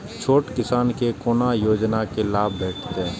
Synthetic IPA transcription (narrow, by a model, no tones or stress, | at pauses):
t͡ʃʰoːʈkɪsaːnkekoːnajoːd͡ʒnakelaːbbʱeːʈʰt̪e